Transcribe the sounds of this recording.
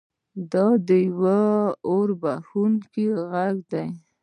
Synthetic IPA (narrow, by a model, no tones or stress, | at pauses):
d̪ɑd̪əjwaoɾbaxunkeɣaɡd̪aj